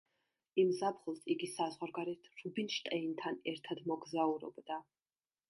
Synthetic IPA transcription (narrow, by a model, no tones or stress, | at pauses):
imzapχulˠsiɡisazʁwaɾɡaɾɛt̪ʰɾubinʃt̪ʼɛint̪ʰanɛɾt̪ʰad̪mɔɡzauɾɔ̰bd̪a